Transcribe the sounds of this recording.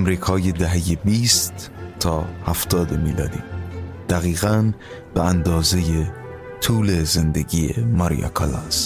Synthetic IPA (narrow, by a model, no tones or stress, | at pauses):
mɾiːkʰɒːjed̪æɦejebiːst̪ːʰ | ɒːhæft̪ɒːd̪emiːlɒ̰ːd̪iːd̪̥æɣiːɣæn | b̥eænd̪ɒːze̞je | t̪ʰuːle̞zend̪eɡiːjḛmɒɾḭjɑ̰kʰɑ̰lɑ̰s